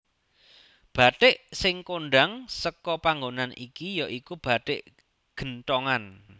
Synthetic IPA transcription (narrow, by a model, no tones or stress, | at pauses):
b̥a̤t̪ɪʔsɪŋkoɳɖaŋsəkɔpaŋɡonanʔḭkijɔʔikub̥a̤ʈ̪ɪʔ | ɡ̥ə̤ntɔŋan